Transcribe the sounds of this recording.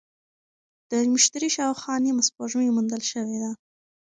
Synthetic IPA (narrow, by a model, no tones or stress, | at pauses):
d̪̥əmɪʃt̪aɾiʃɑwxɑnemaspoʒujmund̪əlʃəwed̪a